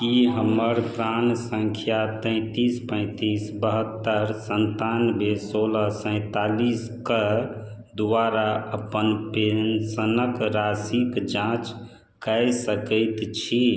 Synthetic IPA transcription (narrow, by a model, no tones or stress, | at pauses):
kiɦəməɾkɾansəŋkʰjat̪ə̃ɪ̃t̪ispə̃ɪ̃t̪isbəɦət̪ːəɾsənt̪anbʱesoləɦsə̃ɪ̃t̪alis | kə | d̪ʋaɾaəpənpensənəkɾasikd͡ʒãt͡ʃ | kəjsəkəɪt̪t͡ʃʰi